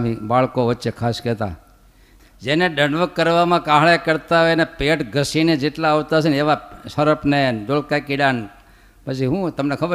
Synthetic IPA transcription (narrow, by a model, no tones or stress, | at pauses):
mibaɭkoʋətːʃekʰaskɛt̪a̰ | d͡ʒeneɖəɳʋəkːəɾʋamãkãɦɭekəɾt̪aɦojnepeʈɡʱəsined͡ʒeʈlaoʋt̪asʰeneʋasəɾəpneɖolkakiɖan | pət͡ʃʰiɦũt̪əmnekʰəbə